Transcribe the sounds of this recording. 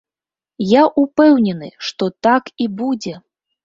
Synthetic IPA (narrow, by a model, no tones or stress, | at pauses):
jaʔupɛwnʲɛnɨʂt̪ɔt̪akibud͡zʲɛ